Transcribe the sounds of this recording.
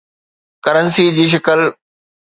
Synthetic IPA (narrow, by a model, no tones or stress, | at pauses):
kɐɾənsid͡ʑiːʃ̬ɐkəl